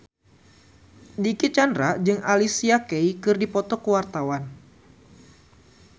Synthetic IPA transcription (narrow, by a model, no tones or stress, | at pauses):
dikit̪̚t͡ʃandɾad͡ʒɨŋalisiakeikɨrdipɔt̪ɔkəwart̪awan